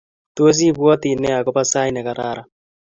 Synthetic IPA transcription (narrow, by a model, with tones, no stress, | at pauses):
to˦o˦s̬i˦βwɔ˦t̪i˨nɛ˦a˨kɔ˦pa˦sa˦i˦nɛ˨ka˨ɾaː˦ɾa˨